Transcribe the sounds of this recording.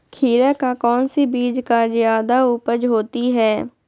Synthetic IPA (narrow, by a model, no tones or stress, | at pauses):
kʰiːɾəkakɔːnsibiːd͡ʒkazjaːd̪auːpəd͡ʒɦoːt̪iɦɛː